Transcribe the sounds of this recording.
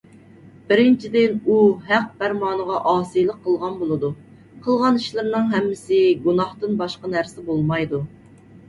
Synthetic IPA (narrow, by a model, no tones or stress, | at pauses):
b̥ɪɾɪnt͡ʃʰid̪ɪnuɦæq̚bæɾmɑːnəʁɑʔɑːsijlˠəqʰːəlˠʁɑnbolˠɨd̪u | qʰəlˠʁɑniʃlˠɨɾnɨŋɦɛmːɪsɪɡunɑht̪ɨnbɑʃqɑnæɾsɪbolˠmɑjd̪u